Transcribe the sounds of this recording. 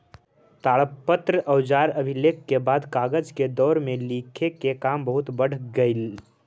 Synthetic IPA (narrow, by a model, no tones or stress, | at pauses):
t̪aːɭəpːət̪ɾəʔəʊd͡ʒaːɾəbʱɪleːkːebaːd̪kaːɡəd͡ʒked̪ɔːɾmẽliːkʰekekaːmbəɦʊt̪bəɽ̤ɡəil